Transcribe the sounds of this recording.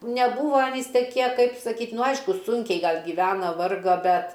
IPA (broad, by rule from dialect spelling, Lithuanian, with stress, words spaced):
nʲɛˈbuːʋɐ ɐˈnʲiːs tʲɛˈkʲiɛ ˈkɐɪp sɐˈkʲiːtʲ nʊ ˈɐɪʃkʊ ˈsʊŋʲkʲɛɪ ˈɡɐlˠ ɡʲiːˈʋʲæːnɐ ˈʋɐrɡɐ ˈbʲɛt